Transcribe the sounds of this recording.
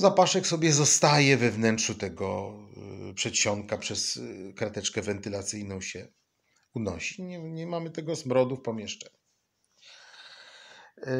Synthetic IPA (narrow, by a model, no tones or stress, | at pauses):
zapaʂɛksɔbʲjɛzɔst̪ajɛvɛvnɛntʂut̪ɛɡɔ | pʂɛtɕɔŋkapʂɛskɾat̪ɛt͡ʂkɛvɛnt̪ɘlat̪sɘjnɔ̃w̃ɕɛ | unɔɕi̥ɲɛɲɛmamɘt̪ɛɡɔzmɾɔd̪ufpɔmʲjɛʂt͡ʂɛɲ